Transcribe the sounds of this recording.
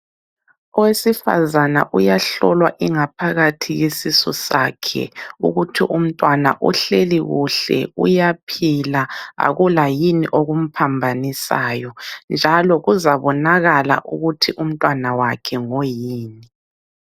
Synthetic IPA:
ɔwesifa̰zana̰ʔujaɬɔlwa̰ʔiŋapʰaɣatʰijesisɔ̰sa̰kʰɛ̰ṵɣutʰḭʔum̩tʼwana̰ʔṵɬeliɣuɬɛ̰ṵjapʰilaa̰ɣulajiniʔoɣum̩pʰambʱanisa̰ːjɔnd͡ʒʱalɔɣuzaβɔnaɣala̰ʔuɣutʰiʔum̩tʼwanawakʰɛŋojiːni

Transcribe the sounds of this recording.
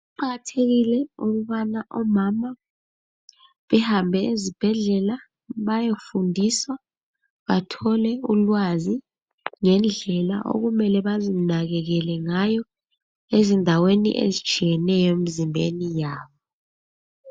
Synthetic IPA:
uǃaɣatʰek̬ilɛuk̬uɓanaʔɔmama | ɓɛhambʱɛezib̥ʱɛɮɛla | ɓajofundʱiswa | ɓatʰɔlɛulwazi | ŋɛnd͡ɮʱɛla̰ʔo̰k̬umɛlɛɓazinak̬ɛk̬ɛlɛŋajɔ | ezindʱawenḭʔḛzid̥t͡ʃʰʼijɛnɛjɔem̩zimbʱenijaːɓɔ

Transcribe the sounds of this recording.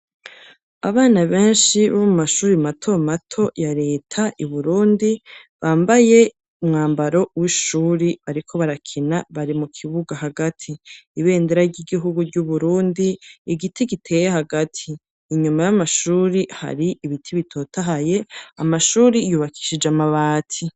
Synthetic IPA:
aβaːnaβe̞ːnʃiβomumaʃuːɾimatʰo̞matʰo̞jaɾe̞ːtʰaʔiβuɾuːndi | βaːmbaje̞ | umŋaːmbaɾo̞wiʃuːɾiβaɾikʰo̞βaɾakʰinaβaɾimukʰiβuɡaɦaɡatʰiːβe̞ːndeɾaɾɟiɡiɦuɡuɟuβuɾuːndiːɡitʰiɡitʰe̞ːjeɦaɡatʰiː | ɲumajamaʃuːɾiha̰ɾiʔiβitʰiβitʰo̞ːtaɦaje̞amaʃuːɾijuːβakʰi̥ʃid͡ʒamaβaːtʰi

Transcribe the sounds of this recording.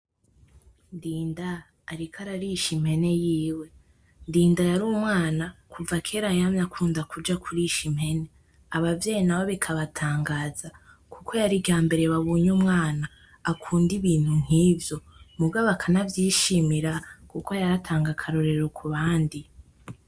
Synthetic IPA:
ndiːndaː | ɾikʰaɾaɾiʃim̥he̞ne̞jiːwe̞ | ndiːndajaɾuːmŋaːnakʰuvakʰe̞ːɾaɲamɲakʰuːndakud͡ʒakʰuɾiʃim̥he̞ne̞ | aβavjeːnawoβikʰaβatʰaːŋɡaːza | kʰukʰo̞jaɾiɟaːmbe̞ɾe̞βaβuːɲuːmŋaːnaː | kʰuːndiβiːn̥hun̥hiːvjo̞mubɡaβakʰanavjiːʃimiɾakuko̞jaɾatʰaːŋɡakʰaɾoɾe̞ɾokʰuβaːndi

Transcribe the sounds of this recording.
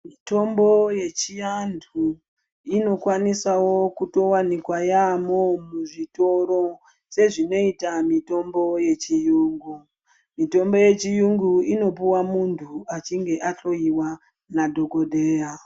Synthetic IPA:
mito̞mbo̞je̞t͡ʃijandʰu | ino̞kwanisawo̞kuto̞wanikwajamomuʐito̞ɾo̞ | se̞ʐino̞itamito̞mbo̞je̞t͡ʃijuːŋɡu | mito̞mbo̞je̞t͡ʃijuŋɡuino̞puwamuntʰuat͡ʃiŋɡe̞ʔaɬo̞iwa | nadʱo̞ko̞dʱe̞ːja

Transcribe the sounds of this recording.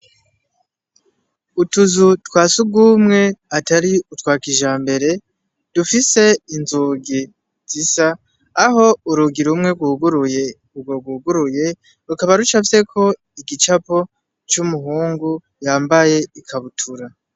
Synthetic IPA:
utuzutwaːsub̚ɡuːmŋe̞ataɾiutwaːkiʒaːmbe̞ɾe̞ | d̥ufise̞inzuːɡi | z̥isaː | ɦo̞uɾuɡiɾumŋe̞ɡwuɡuɾ | uɡoɡuːɡuɾuje̞ | ɾukaβaɾut͡ʃafse̞kʰo̞ | iɡit͡ʃapo̞ | t͡ʃumuɦuːŋɡu | jaːmbaje̞ikʰaβutʰuɾa

